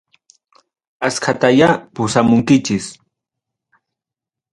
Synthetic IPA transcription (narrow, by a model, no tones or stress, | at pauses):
askʰat̪ajapʊsamʊŋkɪt͡ʃɪs